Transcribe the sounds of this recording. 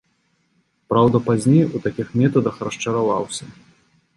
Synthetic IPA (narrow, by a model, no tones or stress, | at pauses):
pɾawd̪ɐpazʲnʲejut̪akʲixmʲɛt̪ɐd̪ɐxrɐʂt͡ʂɐɾava̰wsʲɐ